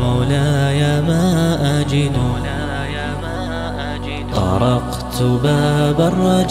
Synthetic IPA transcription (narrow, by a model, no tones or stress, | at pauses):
mawlaːjaːmaːʔad͡ʒɪd̪u | t̪ˤɑ̰ɾˤɑq | t̪baːbarˤːɑd͡ʒ